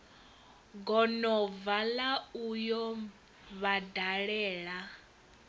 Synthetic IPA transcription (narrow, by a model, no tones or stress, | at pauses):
ɡɔnɔvalaujɔ | βadaɺɛːɺa